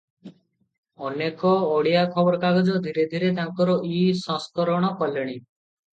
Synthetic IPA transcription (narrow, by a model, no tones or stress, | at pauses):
ɔnekɔːɽijakʰɔbɔɾkaɡɔd͡ʒɔd̪ʱiɾed̪ʱiɾet̪aŋkɔɾɔʔisɔ̃skɔɾɔɽ̃ɔkɔleɽ̃i